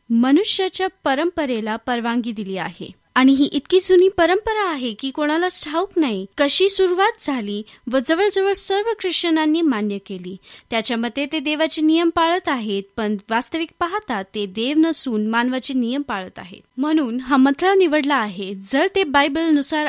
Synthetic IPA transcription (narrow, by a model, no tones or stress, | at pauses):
mənuɕjat͡ɕjapəɾəmpəɾelapəɾʋãŋɡiːd̪iliːa̰ɦḛ | aɽ̃iɦiːʔit̪kiːd͡zuniːpəɾəmpəɾaːɦekiːkoɽ̃alasʈʰauknaɦikəɕiːsuɾuʋat̪̚d͡zʱaliː | ʋəd͡zəʋəɭd͡zəʋəɭsəɾʋəkɾiʂʈənanːiːmanjəkeliːt̪jat͡ɕjaməd̪ʱjet̪ed̪eʋat͡ɕiːnijəmpaɭət̪aɦet̪̚pəɳʋast̪əʋik̚paɦat̪at̪ːed̪eʋnəsuːnmanʋat͡ɕiːnijəmpaɭət̪a̰ɦḛt̪m̤əɽ̃uːnɦamət̪ʰlaniʋəɽlaːɦed͡zəɭt̪ebajbəlnusaɾ